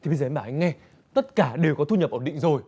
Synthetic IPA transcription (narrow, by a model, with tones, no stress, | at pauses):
t̪ʰi˨ɓə˧jzəː˨˦maː˧˨˩ha˧jŋ̟ŋɛ˧ | t̪ə˦˥t̚kaː˧˩ɗe˨˩wkɔ˨˦t̪ʰu˧ɲə˨˩p̚ʔəː˧˩ɗḭ̈˧˨ŋzo˨˩j